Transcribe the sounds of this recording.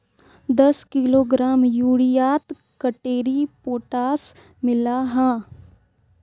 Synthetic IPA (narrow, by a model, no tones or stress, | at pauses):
d̪ɐskɪloːɡɾaːmjuːɽijaːt̪ | kəʈeːɾipoːʈaːs | mɪlaɦãː